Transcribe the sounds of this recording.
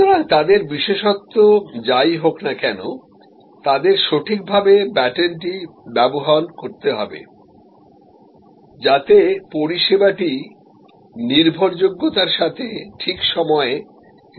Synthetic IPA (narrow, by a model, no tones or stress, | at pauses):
oɾaŋt̪ad̪eɾbiʃeʃɔt̪ːod͡ʑajɦoknakɛno̰ | t̪ad̪eɾʃoʈʰik̚bʱabebɛʈenʈibɛboɦankoɾt̪eɦɔ̰bḛ | d͡ʑat̪epoɾiʃebaʈi | niɾbʱoɾd͡ʑoɡːot̪aɾʃat̪ʰeʈʰikʃɔmɔe